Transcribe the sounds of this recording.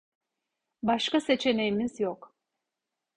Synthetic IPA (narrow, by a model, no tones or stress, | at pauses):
baʃkase̞t͡ʃʰe̞ne̞jimizjok